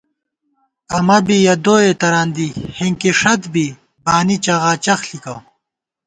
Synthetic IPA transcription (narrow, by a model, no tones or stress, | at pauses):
ɐmɐbijɐd̪oːet̪ɐɾaːnd̪ihiŋkiʂɐt̪bi | baːnit͡ɕɐɣaːt͡ɕɐxlikɐ